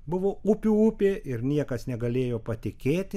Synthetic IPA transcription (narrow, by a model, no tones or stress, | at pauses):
bʊʋoːupʲuːupʲeːʔɪrnʲiɛkɐsnʲɛɡɐlʲeːjoːpɐt̪ʲɪkʲeːt̪ʲɪ